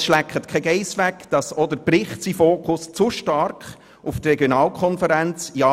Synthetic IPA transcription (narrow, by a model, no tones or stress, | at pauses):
sʃlækχət̪kʰɛɡɛɪsʋækd̥̪ɑsɔd̪əɾbrɪχtsifoːkχʊst͡suʃtɑrkχ | uft̪rɛɡjɔnɑːlkʰχɔnfəɾænt͡sjɑ